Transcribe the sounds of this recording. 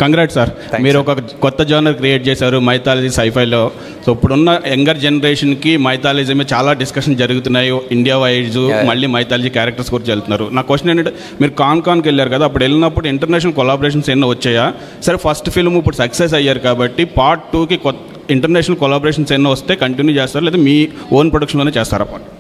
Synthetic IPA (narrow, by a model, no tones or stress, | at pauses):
kɐŋɡɾaːʈsaːɾ | miːɾuɔkɐkɔt̪ːɐd͡ʒaːnɐɾkɾijeːʈ̚t͡ʃɛːsaːɾumɐjt̪aːlid͡ʒisɐjpʰɐjlo̞ː | soːipːuɽunːɐeŋɡɐɾd͡ʒenɐɾeːʂɐnkimɐjt̪aːlid͡ʒɐmit͡ʃaːlaːɖiskɐʂɐnd͡ʒɐɾuɡut̪unːaːjiiɳɖijaːʋɐjd͡ʒumɐɭːiːmɐjt̪aːlid͡ʒikʲaːɾɐk̚ʈɐɾskuːɾɐt͡ʃelt̪unːaːɾunaːkkʋeʂʈɐneɳɐʈe | miːɾukaːnkaːnkeɭːjaːɾukɐd̪aːpːuɽelːinɐpːuɽuiɳʈɐɾnɛːʂ̬ɐnɐlkɔlaːbɐɾeːʂ̬ɐnsenːɐʋɐt͡ʃːɛːjaː | sɐɾepʰɐsʈpʰilmipːuɽusɐkses̬ɐjːaːɾukaːbɐʈːipaːɾʈ̚ʈːuːkikɔt̪ | iɳʈɐɾnɛːʂɐnɐlkolaːboɾeːʂ̬ɐnsenːɐʋɐst̪e̞ːkɐɳʈinjuːt͡ʃeːst̪aːɾulɛːt̪amiːoːnpɾoɽɐkʂɐnloːneːt͡ʃɛːst̪aːɾɐ̰pːa̰ːʈ